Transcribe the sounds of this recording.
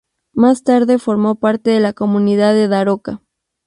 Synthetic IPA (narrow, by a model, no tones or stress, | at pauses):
mast̪aɾðe̞fo̞ɾmo̞paɾt̪e̞ðelako̞muniðaðe̞ðaɾoka